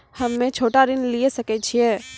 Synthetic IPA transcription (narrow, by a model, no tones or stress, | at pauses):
həmːẽt͡ʃʰoːʈaɾɪnliesəkɛt͡ʃʰiɛ